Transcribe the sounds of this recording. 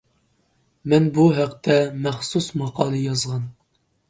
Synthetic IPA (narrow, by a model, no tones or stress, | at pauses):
mɛnbuɦæqt̪ʰɛmæχsusmɑqɑːlˠɨjɑzʁɑn